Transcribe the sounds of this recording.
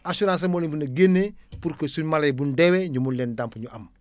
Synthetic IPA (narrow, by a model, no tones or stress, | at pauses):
asuɾans̬ɐmolimpunɐɡenːepuɾkɐsunmalejbundeweɲumullendampuɲuʔɐm